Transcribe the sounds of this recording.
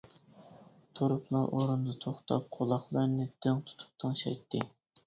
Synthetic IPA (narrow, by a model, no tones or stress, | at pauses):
t̪ʰoɾupʰlˠɑʔoɾund̪ɑt̪ʰoχt̪ʰɑ̰p̚qʰolˠɑχlˠɑɾnɨd̪̥øŋt̪ʰu̥t̪ʰu̥p̚t̪ʰɨŋʃɑ̰jt̪ʰːɨ